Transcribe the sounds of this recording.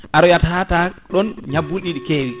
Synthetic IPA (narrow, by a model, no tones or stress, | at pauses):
ʔaɾɔjatataɗɔnɲabːulɗiɗikeːwi